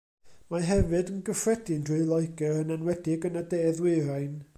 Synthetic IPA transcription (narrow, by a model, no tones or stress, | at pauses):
maɦɛvɨdənɡəfrɛdɨndrɨɨlˠɔjɡɛɾənɛnwɛdɪɡənədeːðwɪɾajn